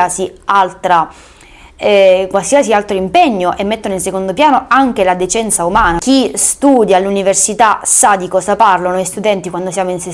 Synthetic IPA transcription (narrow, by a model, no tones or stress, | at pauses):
asialt̪ɾa | ɛkwalsiasialt̪ɾoimpɛɲːoʔemːet̪ːonoilsekond̪opjaːnoaŋk̟elad̪et͡ʃɛnt̪saumaːnak̟ist̪uːd̪jaluniversit̪asad̪ikɔːzaparlonoist̪ud̪ɛnt̪ikwand̪osjaːmoinse